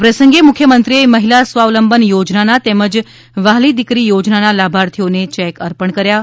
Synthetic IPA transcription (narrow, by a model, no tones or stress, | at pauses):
pɾəsəŋɡemʊkʰːjəmənt̪ɾieməɦilasʋaʋləmbʱənjod͡ʒnanat̪ɛməd͡ʒ | ʋaɦlid̪ikɾijod͡ʒnanalabʱaɾt̪ʰijonet͡ʃɛkəɾpəɳkəɾja